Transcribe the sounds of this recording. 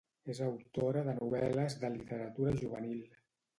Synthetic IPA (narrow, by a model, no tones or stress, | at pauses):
ezəwt̪oɾəðənuβ̞ɛləzðəlit̪əɾət̪uɾəʒuβ̞ənilˠ